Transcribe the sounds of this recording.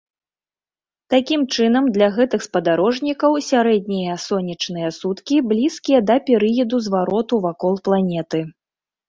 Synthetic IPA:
t̪akʲimt͡ʂɨn̪ɐmd̪lʲɐɣɛt̪ɨxspɐd̪aɾɔʐnʲikɐwsʲaɾɛd̪̚ʲnʲijɐsɔnʲit͡ʂnɨjɐsut̪kʲiblʲiskʲijɐd̪ɐpʲɛɾɨjɐd̪uzvaɾɔt̪uvakɔlˠplˠanʲɛt̪ɨ

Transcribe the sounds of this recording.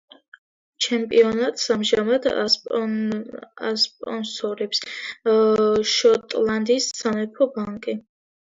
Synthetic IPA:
t͡ʃʰɛmpʼḭɔnat̪ʼsamʒamad̪ | a̰spʼɔnsɔɾɛps | ʃɔt̪ʼland̪isːanɛpʰɔbaŋkʼi

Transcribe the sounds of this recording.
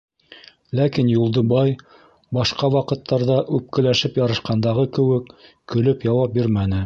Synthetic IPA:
lækinjulˠd̪ɤ̆bɑj | bɑʃqɑwɑqɤ̆t̪ʰːɑɾðɑʔʉp̚kɘ̆læʃɘpjɑɾɤ̆ʃqɑnd̪ɑʁɤkɘ̆wɘkː | ɵ̆lɵpjɑwɑp̚biɾmænɘ

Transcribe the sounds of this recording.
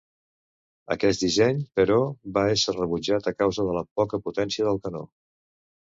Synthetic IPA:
ə̰kɛs̚d̪izɛɲpəɾɔβaɛsərəβud͡ʒat̪əkawzəðələpɔkəput̪ɛnsiəðəlˠkəno̰

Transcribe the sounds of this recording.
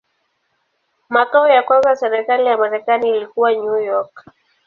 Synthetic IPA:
makaɔjakwãnzasɛɾɛkalijamaɾɛkaniːlikuwaɲujɔk

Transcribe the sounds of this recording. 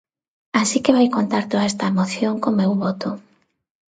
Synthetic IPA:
asikeβajkont̪aɾt̪oðaɛst̪aemoθjoŋkomewβɔt̪ʊ

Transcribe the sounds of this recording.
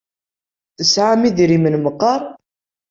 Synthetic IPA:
θəsʕamiðɾimənməqːɑɾˤ

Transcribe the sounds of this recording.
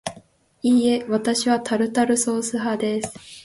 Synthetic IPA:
iːe̞βat̪aɕiβat̪aɾɯ̟t̪aɾɯ̟so̞ːsɨɦad̪e̞sɨ̥

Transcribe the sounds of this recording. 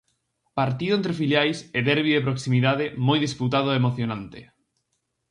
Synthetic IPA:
paɾt̪iðʊent̪ɾefiljajseðɛɾβiðepɾoksimiðaðemojðisput̪að̞oemoθjonãnt̪ɪ

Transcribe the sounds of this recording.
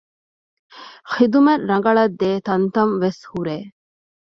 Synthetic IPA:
xid̪umeɾːɐŋɡɐɭɐd̪ːeːt̪ɐnt̪ɐnʋeshuɾeː

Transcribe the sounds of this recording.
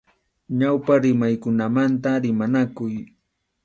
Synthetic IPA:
ɲawpaɾɪmajkʊnamant̪aɾɪmanakʊj

